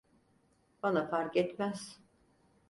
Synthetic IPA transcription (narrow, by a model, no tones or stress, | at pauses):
banafaɾkɛt̪mæz̥